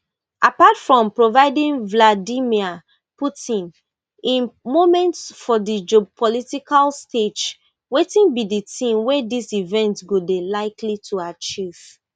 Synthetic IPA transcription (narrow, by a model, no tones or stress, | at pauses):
ʔapatfɹɔ̃mpɹovaɪdĩnvladimia | putĩn | ĩnmomɛ̃ntsfɔdid͡ʒopʰɔlitikalsted͡ʒ | wetĩnbiditʰĩmwɛdisivɛ̃ntɡodelaɪkʰlitʰuat͡ʃiv̥